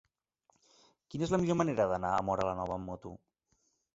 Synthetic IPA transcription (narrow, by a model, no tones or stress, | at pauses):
kinezləmiʎoməneɾəðənaə̰mɔɾələnɔβ̞əmːɔt̪ṵ